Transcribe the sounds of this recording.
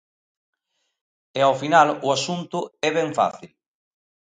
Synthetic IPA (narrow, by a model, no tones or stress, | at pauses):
ɛawfinalʊasunt̪ʊɛβɛɱfa̰θil